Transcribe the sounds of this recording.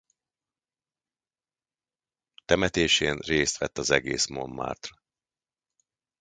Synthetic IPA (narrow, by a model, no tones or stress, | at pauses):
t̪ɛmɛt̪eːʃeːnreːst̪ʋɛt̪ːɒzɛɡeːsmo̞̰mːa̰ːrt̪rɒ